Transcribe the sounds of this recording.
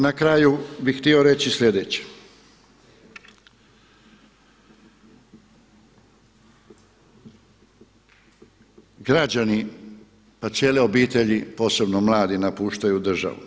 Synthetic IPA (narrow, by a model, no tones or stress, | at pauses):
nakɾaːjubixt̪io̞ɾe̞t͡ɕisʎʲed̪et͡ɕe̥ | ɡɾad͡ʑani | pat̪sjeːleo̞biːt̪e̞ʎipo̞ːse̞bno̞mlˠaːd̪inapuːʃt̪ajud̪r̩ʒa̰ʋṵ